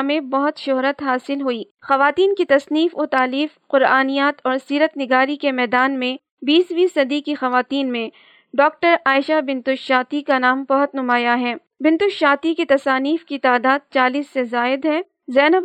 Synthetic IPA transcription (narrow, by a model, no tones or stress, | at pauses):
mẽbɐɦʊt̪ʃʊɦɾət̪ɦaːsɪlɦuiː | xɐʋaːt̪iːnkit̪ɐsniːfot̪aːliːfqʊɾaːnijaːt̪ɔːɾsiːɾət̪nɪɡaːɾikemɛːd̪aːnmẽ | biːsʋiːsɐd̪ikixɐʋaːt̪iːnmẽ | ɖɔːk̚ʈəɾaːɪʃabɪ̃nt̪ʊʃʃaːt̪ikanaːmbɐɦʊt̪nʊmaːjaɦɛː | bɪ̃nt̪ʊʃʃaːt̪ikit̪ɐsaːniːfkit̪aːd̪aːd̪̚t͡ʃaːliːsːezaːɪd̪ɦɛː | zɛːnəb